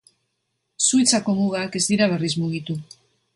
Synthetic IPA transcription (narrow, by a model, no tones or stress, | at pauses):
suit͡sako̞muɣake̞zd̪iɾaβ̞e̞rismuɣ̞it̪u